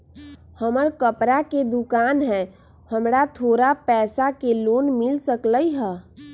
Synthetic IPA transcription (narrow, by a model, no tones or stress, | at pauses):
həməɾkəpɾaked̪ukaːnɦɛː | həmɾat̪ʰoːɾapɛːsakeloːnmɪlsəkləiɦɛ